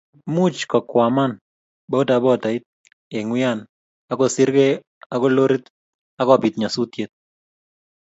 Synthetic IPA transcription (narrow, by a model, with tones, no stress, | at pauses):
mu˦t͡ʃkɔ˨kwa˨ma˦n | bɔ˦ta˨bɔ˦ta˨ɪ˦t̪̚ | e˨ŋwɪ˦an | a˦kɔ˨sɪ˦ɾɡe | a˦kɔ˦lo˦ɾi˦t̪ | a˦kɔpi˨t̪ɲa˨su˦t̪jet̪̚